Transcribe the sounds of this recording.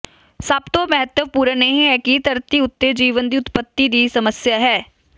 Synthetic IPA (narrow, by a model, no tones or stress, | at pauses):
səbt̪õːmɛɦət̪wəpuːɾənəɦĩɦɛːkit̪əɾt̪iʊt̪ːed͡ʒiːʋənd̪iʊt̪pət̪ːid̪iːsəməsjaɦɛː